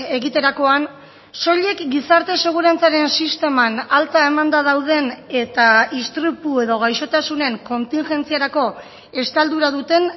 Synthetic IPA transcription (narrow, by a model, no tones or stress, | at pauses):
e̞ɣit̪e̞ɾako̞an | so̞ʎe̞kɡisaɾt̪e̞se̞ɣ̞uɾant͡saɾe̞nsist̪e̞manalt͡s̪ae̞mand̪að̞awð̞e̞ne̞t̪aist̪ɾupue̞ðo̞ɣajʃo̞t̪asune̞ŋko̞nt̪iŋʝe̞nt͡siaɾako̞ | e̞st̪ald̪uɾaðut̪e̞n